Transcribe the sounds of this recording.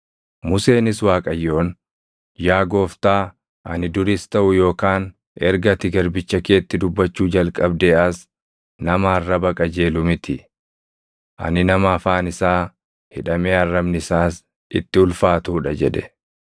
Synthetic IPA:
mʊse̞ːnɪswaːkʼɐjːo̞ːn | jaːɡo̞ːft̪aː | ʔɐnɪd̪ʊɾist̪ɐʔʊjo̞ːkaːn | ɛɾɡɐt̪ɪɡɐɾbɪt͡ʃːɐke̞ːt̪ːɪd̪ʊbːɐt͡ʃːuːd͡ʒɐlkʼɐbd̪eɐs | nɐmɐːrːɐbɐkʼɐd͡ʒe̞ːlʊmɪt̪ɪ | ʔɐ̰nɪnɐmɐɐfaːnɪsaː | hɪᶑɐmeːɐrːɐbnɪɪsaːs | ɪ̰t̪ːɪʊlfaːt̪uːᶑɐd͡ʒɛᶑɛ

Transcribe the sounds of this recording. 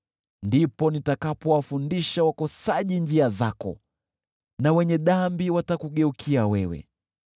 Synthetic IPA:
ndipɔnitakapɔwafundiʃawakɔsaʄind͡ʒiazakɔ̰ | nawɛɲɛɗambiwatakuɠɛukʰiawɛwɛ̰

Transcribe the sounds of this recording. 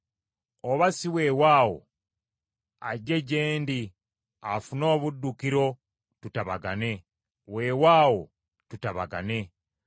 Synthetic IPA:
oβasiwewaːwo̰ | a̰ɟe̞ɟeːndi | afuno̞ːβudːukiɾo̞ | tutaβaɡane̞ | we̞ːwaːwo | tutaβa̰ɡa̰ne̞

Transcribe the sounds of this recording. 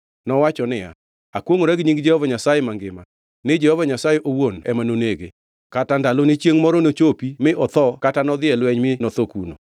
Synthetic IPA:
nɔwat͡ʃɔnɪja̰ | akwoŋoɾɛɡɲiŋɡd͡ʒɛhɔvaɲasajemaŋɡɪma | nɪd͡ʒɛhovaɲasajeʔowonɛ̰manoneɡḛ | katandalonit͡ʃjeŋmɔɾɔnot͡ʃopimɪʔɔt̪ɔkatanɔd̪ɪɛlwɛɲmɪnɔt̪okuno̰

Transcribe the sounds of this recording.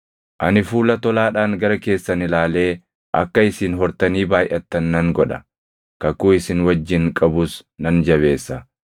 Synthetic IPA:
ʔɐnɪfuːlɐt̪ɔlaːᶑaːŋɡɐɾɐke̞ːsːɐnɪlaːle̞ː | ʔɐ̰kːɐɪsɪnɦɔɾt̪ɐniːbaːjʔɐt̪ːɐnːɐŋɡɔᶑɐ | kɐkuɪsɪnwɐd͡ʒːɪŋkʼɐbʊsnɐnd͡ʒɐβe̞ːsːɐ

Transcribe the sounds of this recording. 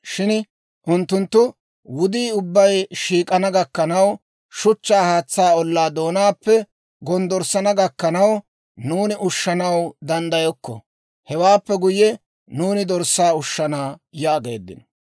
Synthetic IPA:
ʃɪn | ʔʊnt̪ːʊnt̪ːʊ | wʊd̪iːʊbːɐjʃiːkʼɐnɐɡɐkːɐnɐw | ʃʊt͡ʃːaːhaːt͡sːaːɔlːaːd̪oːnaːpːɛ | ɡɔnd̪ɔɾsːɐnɐɡɐkːɐnɐw | nuːnɪʔʊʃːɐnɐwd̪ɐnd̪ɐjɔkːɔ̰ | hɛwaːpːɛɡʊjɛ | nuːnɪd̪ɔɾsːaːʊʃːɐnaːjɐːɡe̞̰ːd̪ːɪ̰nɔ

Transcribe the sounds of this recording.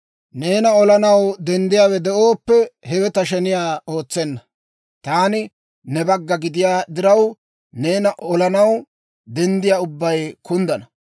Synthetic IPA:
ne̞ːnɐɔlɐnɐwd̪ɛnd̪ɪjaːwɛd̪ɛʔoːpːɛhɛwɛt̪ɐʃɛnɪjaːo̞ːt͡sːɛnːɐ | t̪aːnɪ | nɛbɐɡːɐɡɪd̪ɪjaːd̪ɪɾɐw | ne̞ːnɐʔɔlɐnɐw | d̪ɛnd̪ɪjaːʊbːɐjkʊnd̪ɐnɐ

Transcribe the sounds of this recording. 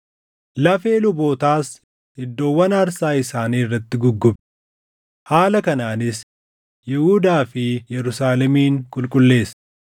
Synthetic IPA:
lɐfeːlʊbo̞ːt̪aːs | ɪd̪ːo̞ːwːɐnɐɾsaːɪsaːniːɪrːɐt̪ːɪɡʊɡːʊbɛ̥ | haːlɐkɐnaːnɪs | jɛhuːd̪aːfɪjɛɾʊsaːlɛmiːŋkʼʊlkʼʊlːe̞ːs

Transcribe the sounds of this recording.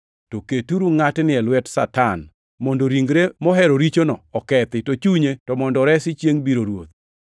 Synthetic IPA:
toketuɾuŋatnɪɛlwɛtsatan | mondoɾiŋɡɾemɔɦɛɾoɾit͡ʃonɔːkɛt̪ɪtot͡ʃuɲetɔmɔndɔɾɛsɪt͡ʃjeŋbiɾoɾwot̪̚

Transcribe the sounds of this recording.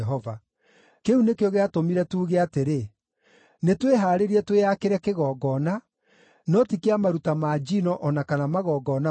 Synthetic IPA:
ɛɦɔva | keunekeɔɣeatomiɾɛtuːɣeateɾe | netweɦaːɾeɾiɛtweakeɾɛkeɣɔːɡɔna | nɔtikeamaɾutamaːd͡ʒinɔʔɔnakanamaɣɔːɡɔna

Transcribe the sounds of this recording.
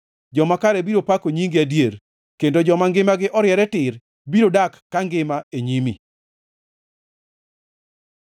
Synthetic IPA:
d͡ʒɔmakaɾɛbiɾopakoɲiŋɡiadjer | kendod͡ʒɔmaŋɡɪmaɡɪʔɔɾjɛɾɛtɪɾ | biɾodakːaŋɡɪmaeɲimi

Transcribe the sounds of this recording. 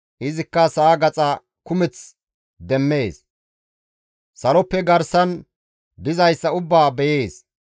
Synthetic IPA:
ʔɪzɪkːɐsaːɡɐt͡sʼɐ | kʊmɛt͡s | d̪ɛmːe̞ːs | sɐlɔpːɛɡɐɾsɐn | b̪ɪzɐjsːɐʊbːaːbɛjeːs

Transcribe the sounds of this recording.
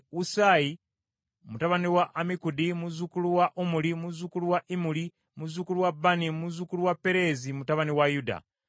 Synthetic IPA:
usai | mutaβaniwaʔːmikudimuzukuluwaʔumulimuzukuluwaʔimuli | muzukuluwabːanimuzukuluwapːe̞ɾe̞zimutaβaniwajuda̰

